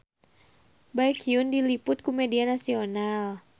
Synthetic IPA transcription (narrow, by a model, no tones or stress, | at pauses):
bajkiʊndilipʊt̪̚kumɛdianasional